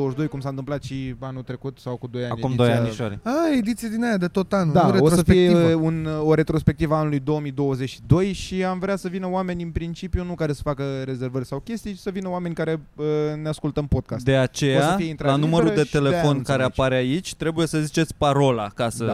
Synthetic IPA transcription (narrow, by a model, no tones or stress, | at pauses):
owəʃʲd̪o̞jkumsant̪ɨmplat̪ʃianut̪ɾe̞kut̪sawkud̪o̞janaumid̪ojaniʃoɾʲəed̪it̪sijad̪inajad̪et̪o̞t̪anud̪aɾeosəfeijevunoɾe̞t̪ɾo̞spe̞k̚t̪ivəaanulujd̪o̞omijd̪o̞wəze̞t͡ʃʃid̪o̞jʃiamvɾeasəvinəwame̞nʲɨnpɾint͡ʃipjunukaɾe̞sə̥fakəɾe̞ze̞rvərʲsawkʲe̞st̪ijsəvinəoame̞nʲkaɾe̞əneaskult̪əmpo̞d̪̥̚kastdt̪e̞att͡ʃe̞josaəfieint̪ɾalanuməɾud̪e̞t̪e̞lefao̞nkaɾeapaɾait͡ʃʲt̪ɾe̞buje̞səzit͡ʃet̪sʲpaɾo̞la̰kasəa